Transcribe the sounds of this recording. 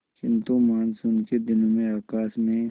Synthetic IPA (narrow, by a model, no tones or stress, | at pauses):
t͡ʃɪ̃nt̪õmaːnsʊnked̪ɪnomẽaːkaːsmẽ